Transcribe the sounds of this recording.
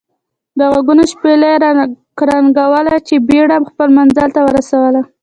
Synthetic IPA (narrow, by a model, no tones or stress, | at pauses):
d̪əɣaɡunoʃpela | ɾɑnɡawəlat͡ʃebeɽamxpəlmanzalt̪awəɾasawəla